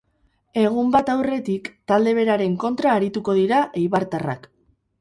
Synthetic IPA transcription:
e̞ɣ̞umbat̪awre̞t̪ikt̪ald̪e̞β̞e̞ɾaɾe̞ŋko̞nt̪ɾaːɾit̪uko̞ðiɾaʔejβaɾt̪ara̰k

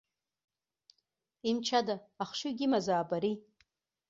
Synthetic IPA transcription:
imt͡ʃʰadaːχʃuɡʲimazaːbaɾi

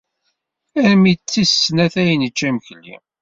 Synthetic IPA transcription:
æɾmit͡sːisːnæθæjnət͡ʃːæməçlːḭ

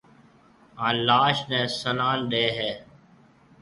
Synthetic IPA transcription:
ãːlaːʃnɛ̃ːsənaːlɗeːɦɛː

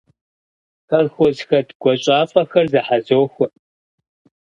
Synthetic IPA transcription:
xɐrxʷɔzxɐdɡ̥ʷɔɕʼaːfʼɐxɐrzɐħazoːxʷɔ

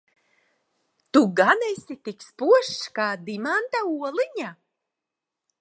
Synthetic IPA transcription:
t̪uɡanɛjsʲit̪ikspuɔʃkaːd̪imant̪auɔlˠiɲa

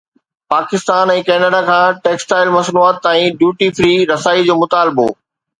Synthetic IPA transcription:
paːkɪst̪aːnɛ̃ːkɛːnəɖakʰãːʈeːksʈaːɪlmɐsnuaːt̪ːaːĩɖjuːʈifɾiːɾɐsaːid͡ʑoːmʊt̪aːlɪbo̰ː

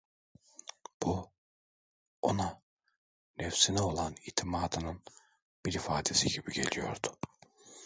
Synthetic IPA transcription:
b̥u | o̞na | nɛfsinɛo̞lˠaniːt̪ʰimaːd̪ɯnɯn | b̥iɾifaːd̪e̞siɟibiɟe̞̰lʲijo̞̰ɾd̪u̥

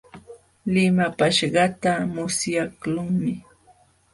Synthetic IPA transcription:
lɪmapaʃɢɑt̪amʊsjaklʊŋmɪ

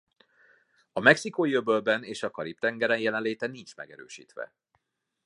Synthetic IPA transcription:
ɒmɛksikoːjøbølbɛneːʃɒkɒɾip̚t̪ɛŋɡɛɾɛnjɛlɛnleːt̪ɛnint͡ʃmɛ̰ɡɛɾø̰ːʃḭːt̪ʋɛ̰

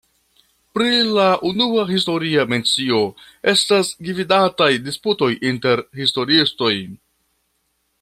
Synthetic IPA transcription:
pɾilaʔunuaɦisto̞ɾiame̞nt͡sio̞ | e̞stasɡividatajdisputo̞jinte̞ɾhisto̞ɾiisto̞j

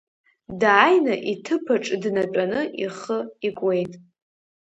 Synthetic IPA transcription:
daːjnaʔitʰɨpʰaʈ͡ʂʼdnatʷʼanɨʔiχəikʷʼe̞jtʼ

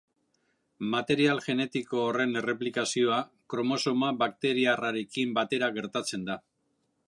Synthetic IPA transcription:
mat̪e̞ɾialʝe̞ne̞t̪iko̞ːre̞ne̞re̞plikasio̞a | kɾo̞mo̞so̞maβak̚t̪e̞ɾiaraɾe̞kimbat̪e̞ɾaɣe̞ɾt̪at͡se̞nd̪a

